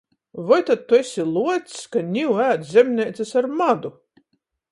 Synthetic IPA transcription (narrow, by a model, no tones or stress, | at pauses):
vɔjt̪at̪̚t̪ːuesʲilˠuɔt̪skanʲiwæːt̪zʲemʲnʲɛjt̪sasaɾmad̪u